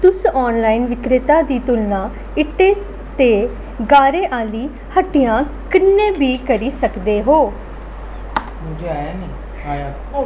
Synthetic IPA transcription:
t̪ʊsɔːnlaːinʋɪkɾɪt̪aːd̪iːt̪ʊlnãː | ɪʈeː | t̪eː | ɡaːɾeːʔaːliː | həʈɪjãː | kɪnːẽːbiːkəɾiːsəkd̪eːɦoː | d͡ʒanː

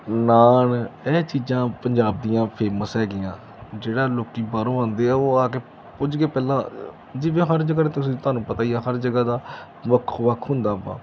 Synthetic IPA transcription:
naːnɛːt͡ʃiːd͡ʒãːpəɲd͡ʒaːbd̪ijãːpʰeːməsɦɛːɡɪjãː | d͡ʒeːɽaːloːkiːbaːɾõːãːnd̪eːɛːoːaːkeː | pʊd͡ʒɡeːpɛːlãː | d͡ʒɪʋẽːɦəɾd͡ʒəɡaːẽːt̪ʊsĩːt̪ʊaːnũːpət̪aːijaːɦəɾd͡ʒəɡaːd̪aː | ʋəkʰːʋəkʰɦʊ̃nd̪aːba̰ː

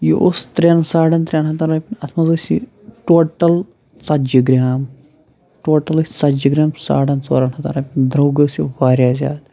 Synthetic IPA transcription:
jo̰ʔust̪ɾensaːɽɐnt̪ɾʲeːnɦɐt̪ɐɾɐːpʲinɐt̪ʰmɐzɐsḭ | ʈoːʈɐl | sɐt̪d͡ʒiɡɾʲaːm | ʈoːʈɐlɨsɐt̪d͡ʒiɡɾʲaːmsa̰ːɽɐnt͡so̰ːɾɐnhɐt̪a̰ːɾɐːpʲnd̪ɾoːɡɐsiʋaːɾʲjaːzʲa̰ːd̪

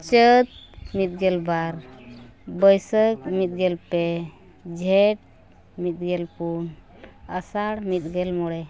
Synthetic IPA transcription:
t͡ʃət̪̚mit̪̚ɡɛlbaɾ | bəjsək̚mit̪̚ɡɛlpe | d͡ʒʱɛʈ̚ | mit̪̚ɡɛlpun | əsaɽmit̪̚ɡɛlmɔɽɛ

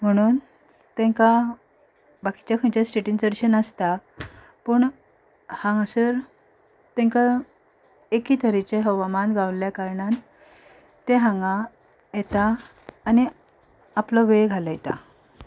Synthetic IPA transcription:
m̤əɽ̃uːn | t̪ɛ̃ŋka | baki̥t͡ɕjakʰə̃t͡ɕjasʈeʈint͡səɽɕənəst̪a | pəɳ | hãŋasəɾ | t̪ẽŋka | ekit̪ʰəɾit͡ɕeɦəʋamanɡawljakaɾɳan | t̪eɦãŋɡa | jet̪aː | ni | aplɔʋeɭeɡʱalajet̪a̰

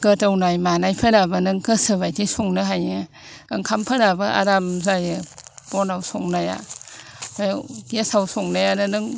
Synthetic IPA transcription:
kɯtawnajmanajpʰɯnabɯnɯŋkʰɯsɯbajtʰisuŋnɯɦajɯ | ɯŋkʰampʰɯnabɯʔa̰ɾamzajɯb̥ɔnawsuŋnaja̰ | bajɡesawsuŋnajanɯnɯŋ

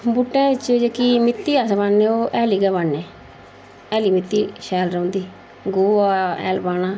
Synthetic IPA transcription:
buʈːɛ̃ːʋɪt͡ʃod͡ʒeːkiːmɪt̪ːiːaːsbaːneːoːʔɛːliːɡɛːʋaːnːeː | ɛːliːmɪt̪ːiːʃɛːlɾə̃ũːnd̪iː | ɡoːaːɛ̰ːlbaːnaː

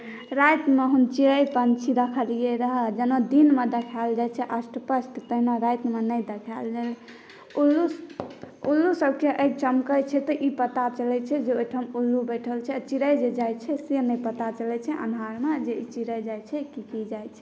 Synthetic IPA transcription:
ɾajt̪meɦunt͡ʃiɾəjpənt͡ʃʰiɾəkʰəlijeɾəɦəd͡ʒənod̪inmed̪ekʰald͡ʒajt͡ʃʰɛʔəsʈəpəsʈt̪əɦnaɾajt̪menəjd̪ekʰald͡ʒal | ulːu | ulːusəbʱkeʔəiɡ̚t͡ʃəmkəjt͡ʃʰɛt̪ɔʔipət̪at͡ʃəlɛt͡ʃʰɛd͡ʒeojʈʰəmulːubəʈʰəlt͡ʃʰɛt͡ʃiɾəjd͡ʒed͡ʒajt͡ʃʰɛsenəpət̪at͡ʃəlɛt͡ʃʰɛʔə̰nɦaɾmed͡ʒeit͡ʃiɾəjd͡ʒajt͡ʃʰɛkikid͡ʒajt͡ʃʰɛ

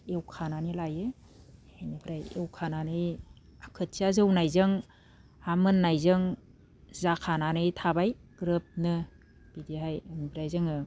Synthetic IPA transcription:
ewkʰananilajɯ | enibʰɾajewkʰananɯj | akʰɯt̚siazɯwnajzɯŋ | hamɯnːajzɯŋ | zakʰananɯjtʰabajɡ̥ɾɯp̚nɯ | b̥idiɦajanibʰɾajzɯŋɯ

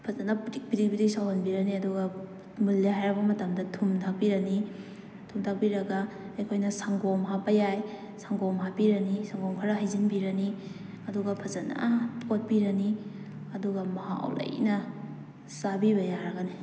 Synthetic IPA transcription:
pʰɐzɐnɐptik̚pidik̚bidik̚sawɦanbiɾɐniɐduɡɐ | mulːiɦajɾɐbɐmɐtɐmdɐtʰumtʰak̚piɾɐni | tʰumtʰak̚piɾɐɡɐɐjkʰojnɐsaŋɡomɦapɐjaj | saŋɡomɦapiɾɐnisaŋɡomkʰaɾɐɦajzinbiɾɐni | ɐduɡɐpʰɐzɐna̰pʰot̚piɾɐni | ɐduɡɐmɐha̰w̰lɐ̰jnɐ | sabiβɐjaɾɐɡɐni

